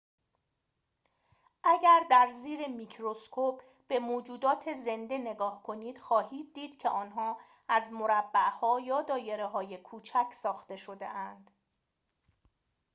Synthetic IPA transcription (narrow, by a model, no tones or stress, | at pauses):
ʔæɟæɾd̪æɾziːɾe̞miːcʰɾo̞skʰopʰ | b̥e̞moːd͡ʒuːd̪ɒːt̪ʰe̞ze̞nd̪e̞ne̞ɡɒːhkʰo̞niːd̪̥xɒːɦiːd̪̚ːiːd̪̥cʰe̞ʔɒːnɦɒː | æzmo̞ɾæbːæʔhɒːjɒːd̪ɒːje̞ɾe̞ɦɒːje̞kʰuːt͡ʃʰæcʰsɒːxt̪e̞ʃo̞d̪e̞̰ʔænd̪̥